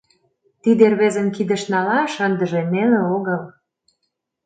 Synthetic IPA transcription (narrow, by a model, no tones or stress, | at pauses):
t̪id̪erβezə̆mkid̪ə̆ʃnɑlɑʃənd̪əʒeneleoɣəl